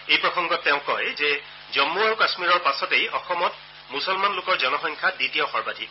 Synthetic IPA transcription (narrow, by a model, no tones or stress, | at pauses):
ejpɹɔxɔŋɡɔtːeʊ̃kɔjzɛ | zɔmːuaɹukasmiɹɔɹpasɔtejɔxɔmɔt | musɔlmanlʊkɔɹzɔnɔxɔŋkʰaditijɔxɔɹbadʱik